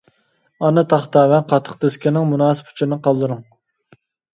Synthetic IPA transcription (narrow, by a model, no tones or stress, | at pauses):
ɑnɨt̪ʰɑχt̪ɑːwɛqʰɑt̪ʰːə̥χt̪eskʲɪnɪŋmunɑːsɨ̥pʰʊ̥t͡ʃʰɪnɨqʰɑlˠd̪ɨɾuŋ